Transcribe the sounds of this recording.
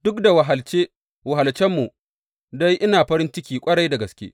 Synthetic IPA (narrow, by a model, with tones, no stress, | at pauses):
d̥ʊ˦kda˨wa˨ɦa˨lt͡ʃeː˦ | wɐ˨ɦa˨lt͡ʃɛ˦mːu˨ | da˦jʔɪ˦naː˨ɸɐ˦ɾɪ˦nt͡ʃɪ˦kʲiː˨kʷʼɐ˦ɽɐ˦jda˨ɡɐ˨skʲḛː˦